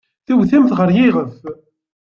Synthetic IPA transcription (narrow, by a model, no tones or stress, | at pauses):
θiwθimθʁəɾjiʁəf